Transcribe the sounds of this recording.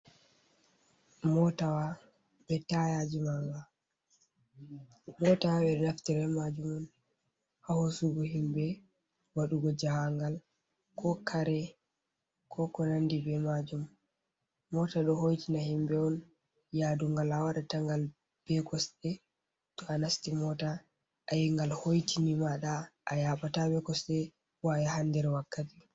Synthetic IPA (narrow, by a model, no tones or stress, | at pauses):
mɔtawa | bɛtajad͡ʒimaŋɡa | mɔtawabɛɗɛnaftiɾɛmad͡ʒumɔn | hahosuɡɔhimbɛ | waɗuɡɔd͡ʒahaŋɡal | kʰɔkʰaɾɛ | kʰɔkɔnandibɛmad͡ʒumː | ɔtaɗɔhojtinahimbɛɔn | jaduŋɡalawaɗataŋɡal | b̥ɛɡɔsɗɛ | tɔanastimɔta | ʔajiŋɡalhojtʰinimaɗaʔːjaɓatabɛkɔsɛ | wajahandɛɾɛwakːati